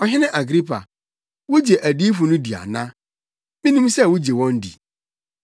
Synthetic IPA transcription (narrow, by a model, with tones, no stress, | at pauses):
ɔ˨ɦɪ˦nɪ̃˦ʔa˨ɡɾi˦pʰa̰˨ | wʊ˦d͡ʑe˨ʔæ˨di˦fʊ˨nʊ̃˦di˨a̰˨nã˦ | mĩ˦nũ˦msɛ˦˨wʊ˦d͡ʑe˨wɔ̃˦n˦dḭ˨